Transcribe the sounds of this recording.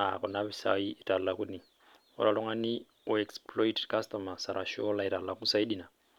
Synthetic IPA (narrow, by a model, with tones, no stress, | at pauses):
a̰˨kɔ˨naβisa̰iː˦˨tʼa˨lulaku˦ni | ɔ̰la˨lɔ˦ŋa˦ni | u˦ɛksplɔ˦itkʰa˦stɔmasa˨ɾʔa˨ʃɔ˦la˦i˨ta˨lula˦ku˦sa˦i˦ɗina˨